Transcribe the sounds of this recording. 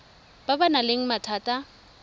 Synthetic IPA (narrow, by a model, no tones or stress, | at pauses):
b̥abanaleŋ̩matʰaːtʼa